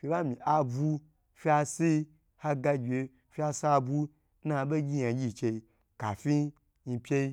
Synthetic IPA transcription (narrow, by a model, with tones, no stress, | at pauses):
fʲi˧ba˦mi˨ʔa˧bu˧ | fʲi˦a˧si˦ | ha˦ɡa˧ɡʲe˧ | fʲi˦a˧sa˦˧bu˦ | na˧˨ɓe˦ɡʲi˦ã˨ɡʲi˦˨t͡ʃe˧i˧ | ka̰˨fʲi˦ | ɲi˧pʲe˦i˦